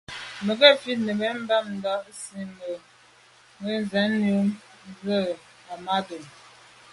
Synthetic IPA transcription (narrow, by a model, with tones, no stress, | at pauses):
mə˨ɡɛ˦˨fi˦t̚nə˨be˨˦m̩˦ba˦˨m̚n̩˨dɔ˨˦si˦mə˨ | mə˦n˨zɛ˨˦nnu˦m | n˦zə˦˨ | a˨ma˦do˨n